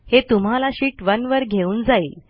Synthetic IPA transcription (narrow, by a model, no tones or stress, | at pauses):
het̪um̤alaɕiːʈʋənʋəɾɡʱeuːnd͡zaiːl